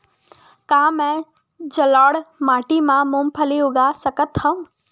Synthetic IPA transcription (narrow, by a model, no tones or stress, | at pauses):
kaːmɛ̃ː | d͡ʒəlaːɽmaːʈimãmũmpʰəliʊɡasəkət̪ɦɐ̃